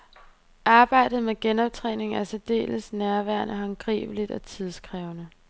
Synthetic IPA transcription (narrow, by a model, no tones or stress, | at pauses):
ʔɑ̈ːb̥ɑ̈ɪ̰d̥ð̩ˠmeɡ̥enɒ̽b̥̚t͡sʰʁɛ̰ːne̝ŋ̩æɐsed̥e̝̰ːləsnæɐʋæɐnʔəɦɑ̈ŋɡ̥ʁḭːb̥əlid̥ɒ̽t͡sʰið̞ˠsɡ̥ʰʁɛːʊnə